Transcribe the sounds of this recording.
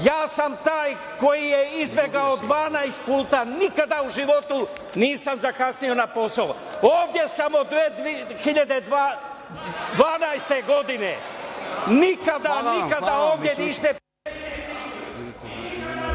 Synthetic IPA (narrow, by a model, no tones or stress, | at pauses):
jaːsamt̪aːj | ko̞jijeizbeɡaod̪ʋaːnajst̪̚puːt̪anikad̪auʒiʋo̞t̪u | niːsamzakasnio̞napo̞sao | oːvd̪je̞samod̪ʋed̪xiʎad̪e | d̪ʋaːnajst̪eɡo̞d̪ine | nikad̪anikkad̪aoːvd̪jeniʃt̪e